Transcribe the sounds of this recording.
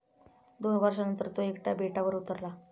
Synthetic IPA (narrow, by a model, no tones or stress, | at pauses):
d̪onʋʱəɾʂ̬anənt̪əɾt̪oekʈjabeʈaʋəɾut̪əɾla